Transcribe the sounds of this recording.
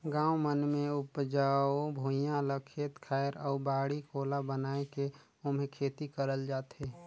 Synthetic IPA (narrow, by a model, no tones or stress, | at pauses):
ɡãːwmənmẽʊpd͡ʒaːobʱoːjãləkʰːeːt̪kʰaːɪɾɔːbaːɽikoːlabənaːeke | ʊmɦẽkʰeːt̪ikəɾəld͡ʒaːt̪ɦeː